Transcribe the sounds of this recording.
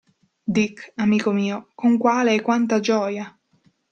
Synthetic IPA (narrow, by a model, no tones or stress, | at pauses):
d̪ikːamiːkomiːokoŋkwaːleɛkːwant̪ad͡ʒɔːja